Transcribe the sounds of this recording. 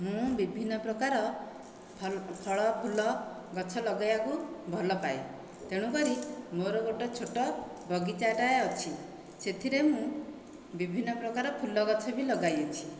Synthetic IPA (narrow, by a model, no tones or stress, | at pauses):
mũbibʱinːɔpɾɔkaɾɔ | pʰpʰɔɭɔpʰulɔ | ɡɔt͡ʃʰɔlɔɡajakubʱɔlɔpae | t̪eɽ̃ũkɔɾimoɾɔɡoʈɔt͡ʃʰoʈɔ | bɔɡit͡ʃaʈaeɔt͡ʃʰi | set̪ʰiɾemũ | bibʱinːɔpɾɔkaɾɔpʰulɔɡɔt͡ʃʰɔbilɔɡajɔt͡ʃʰi̥